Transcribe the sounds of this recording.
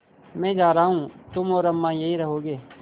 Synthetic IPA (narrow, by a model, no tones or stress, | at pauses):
mɛ̃ːd͡ʒaːɾaːɦũːt̪ʊmɔːɾɐmːãːjeɦiɾɐɦoːɡeː